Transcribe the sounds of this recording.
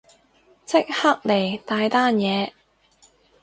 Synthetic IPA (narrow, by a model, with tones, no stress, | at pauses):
t͡sɪ˥k̚ha˥k̚le˨˩jt̪aː˧jt̪aː˥njɛː˨˧